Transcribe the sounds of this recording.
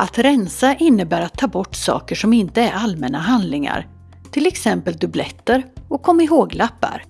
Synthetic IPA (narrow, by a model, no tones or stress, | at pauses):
ʔat̪ɾɛnsaʔɪnːəbæːɾat̪ʰːɑːbɔʈːsɑ̰ːkəʂɔmɪnt̪əæɾalmɛnaɦand̪lɪŋa̰ɾ | t̪ʰɪlɛksɛmpəld̪ɵblɛt̪ːəɾɔkʰːɔmːaɪɦoːɡlapːa̰ɾ